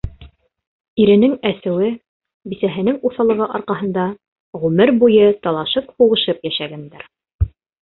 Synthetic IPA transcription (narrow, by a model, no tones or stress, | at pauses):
iɾɘ̆nɘŋæsɘ̆wɘ | bisæɦɘ̆nɘŋuθɑlˠɤ̆ʁɤʔɑɾqɑɦɤ̆nd̪ɑ | ʁʉmɘɾbujɤt̪ɑlˠɑʃɤphuʁɤ̆ʃɤpjæʃæɡænd̪æɾ